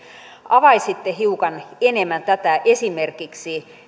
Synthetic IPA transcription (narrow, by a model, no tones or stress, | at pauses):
ɑʋɑisit̪ːehiukɑnenemænt̪æt̪æʔesimerkiksi